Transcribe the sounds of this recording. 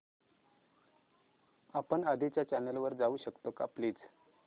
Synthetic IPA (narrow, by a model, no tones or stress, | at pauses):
apəɳad̪ʱit͡ɕjat͡ɕanəlʋəɾd͡zauːɕəkt̪oka̰pliːt͡s